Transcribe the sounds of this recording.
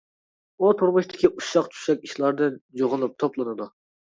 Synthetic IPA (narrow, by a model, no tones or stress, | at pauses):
ut̪ʰuɾmʊʃt̪ʰɪ̥kʲʰiʔuʃɑqt͡ʃʰy̥ʃɛkʲiʃlˠɑɾd̪ɨnjoʁʊlˠɨp̚t̪ʰoplˠɨnɨd̪u